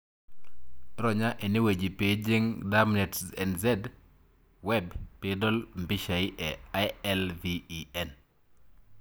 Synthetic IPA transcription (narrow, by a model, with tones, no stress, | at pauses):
ɾɔ˨ɲa˦ʔe˨ni˦we˨d͡ʒi˨pe˨d͡ʒe˦ŋdamnɛ˨tsɛ̰˨nzɛ˦d | wɛbpe˨dɔ˦lmbi˦ʃa˨i˦ʔɛaɛlviːɛn